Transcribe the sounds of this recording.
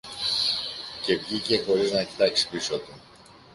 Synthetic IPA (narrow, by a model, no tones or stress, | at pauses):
ce̞vʝice̞xo̞ɾiznɐecit̪ɐksi̥pisot̪u